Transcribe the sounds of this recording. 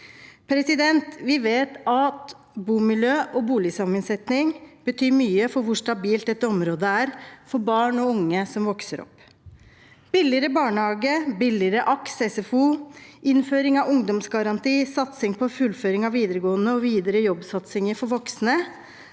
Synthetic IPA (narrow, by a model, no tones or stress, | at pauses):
pʰɾɛsɪd̪ɛnt̪ʋɪʋeːt̪ɑt̪ | buːmɪljøːʔɔbuːlɪsɑmənsɛt̪nɪŋb̥ət̪ʰyːmyːəfɔɾʋʊʂʈ̪ɑbiːlt̪̚d̪ɛt̪ːəɔmɾoːd̪əæːɾfɔɾbɑːɳɔʊŋːəsɔmʋɔksəɾɔ̰pː | b̥ɪlɪəɾəbɑːɳəhɑːɡəbɪlɪɾəʔɑksɛsɛfuːʔɪnføːɾɪŋɑʋʊŋd̪ɔmsɡɑɾɑnt̪iːsɑt̪sɪŋpʰɔfʉlføːɾɪŋɑʋiːd̪əɾəɡoːənəɔʋiːd̪əɾəjɔbsɑt̪sɪŋəɾfɔɾʋɔksnə